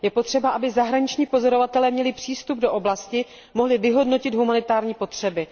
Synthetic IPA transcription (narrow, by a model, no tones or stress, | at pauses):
jɛpo̞t̪r̝̥ɛbaʔabɪzaɦɾaɲɪt͡ʃɲiːpo̞zo̞ɾo̞vat̪ɛlɛːmɲɛlɪpr̥iːst̪ub̚do̞ʔo̞blascɪ | mo̞ɦlɪvɪɦo̞dno̞cɪd̪ɦumanɪt̪aːɾɲiːpo̞t̪r̝̥ɛbɪ